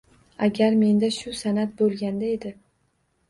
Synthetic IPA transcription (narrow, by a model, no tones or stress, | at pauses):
aɡʲaɾme̞nd̪aʃʊsanat̪̚bolˠɡʲand̪ae̞d̪ɪ